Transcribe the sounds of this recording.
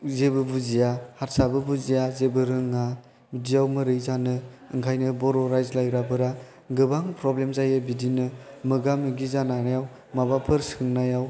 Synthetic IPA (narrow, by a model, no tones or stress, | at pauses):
zebɯbuzijahatsabɯbuzijazebɯɾɯŋa | budijawmɯɾɯjzanɯ | ɯŋkʰajnɯbɔɾɔɾajzlajɾabɯɾa | ɡɯbaŋpɾɔblemzajɯbidinɯmɯɡamɯɡizananajaw | mabapʰɯɾsɯŋnajaw